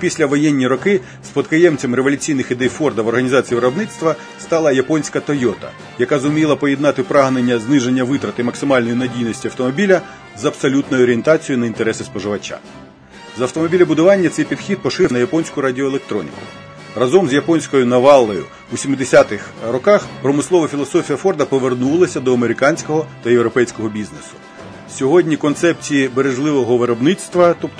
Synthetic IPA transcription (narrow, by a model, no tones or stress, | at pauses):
pʲisʲlʲɐʋɔjɛnʲːiɾɔkɪ | spɔt̪kɐjɛmt͡sʲɐmɾeʋɔlʲʉt͡sʲijnɪxid̪ɛjfɔrd̪ɐʋɔrɦɐnʲizɑt͡sʲiiʋɾɐbnɪt̪st̪ʋɐ | st̪ɑlˠɐjɐpɔnʲsʲkɐt̪ɔjɔt̪ɐ̰ | jɐkazʊmʲilˠɐpɔjɛd̪nɑt̪ɪpɾɑɦnenʲːɐznɪʒenʲːɐʋɪt̪ɾɐt̪ɪmɐksɪmɑlʲnɔjinɐdʲijnɔsʲtʲiɐwt̪ɔmɔbʲilʲɐ | zɐbsɔlʲut̪nɔjʊɔɾʲient̪ɑt͡sʲijʊnɐint̪eɾɛsɪspɔʒɪʋɐt͡ʃa̰ | zɐwt̪ɔmɔbʲilʲɐbʊd̪ʊʋɑnʲːɐt̪sɛjpʲid̪xʲid̪̚pɔʃɪnɐjɐpɔnʲsʲkʊɾɐdʲiɔelˠek̚t̪ɾɔ̰nʲḭkʊ̰ | rɐzɔmzʲjɐpɔnʲsʲkɔjʊnɐʋɑlˠːɔjʊ̰ | ʋisʲimɪd̪esʲat̪ɪxrɔkɑxpɾɔmɪsˠɔʋɐfʲilˠɔsɔfʲijɐfɔrd̪ɐpɔʋernulˠɐsʲɐd̪ɔɐmeɾɪkɑnʲsʲkɔɦɔt̪ɐjewɾɔpɛjsʲkɔɦɔbʲiznesʊ̥ | sʲɔɦɔdʲnʲikɔnt̪sɛp̚t͡sʲijibeɾeʒlˠɪʋɔɦɔʋeɾɔbnɪsʲt̪ʋɐt̪ɔpt̪